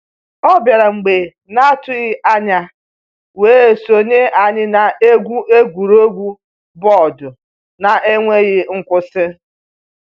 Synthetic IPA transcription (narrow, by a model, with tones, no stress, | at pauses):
ɔ˦bja˨ɾa˨ŋ͡m̩˨ɡ͡be˨ | na˦tʊ˦ɣɪ˦ʔa˦ɲa˨ | weː˨˦e˨so˨ɲe˦a˨ɲɪ˦na˨e˦ɡʷu˦e˦ɡʷu˨ɾo˦ɡʷu˦ | bɔ˦˨dʊ˨ | na˨ʔe˦ŋʷe˦ɣɪ˦ŋ̩˦kʷʊ˦sɪ˦